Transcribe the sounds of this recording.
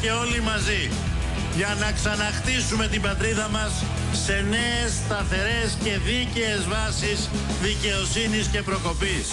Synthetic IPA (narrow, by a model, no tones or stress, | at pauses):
e̞o̞limɐzi | ʝɐnɐksɐnɐxt̪isume̞t̪ibɐt̪ɾiðɐmɐsː | e̞ne̞est̪ɐθe̞ɾe̞sce̞ðice̞ːzvɐsis | ðice̞o̞sinisce̞pɾo̞ko̞pis